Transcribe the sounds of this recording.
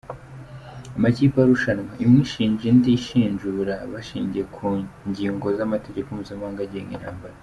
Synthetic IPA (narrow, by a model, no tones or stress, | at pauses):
amaciːpaɾuʃanwaʔimŋiːʃiːɲd͡ʒindiʃiːɲʒuɾaβaʃiːɲɟiekʰuːɲɟiːŋɡo̞zamate̞ɟe̞komuzimaːŋɡaɟeŋɡḭnha̰ːmbaɾa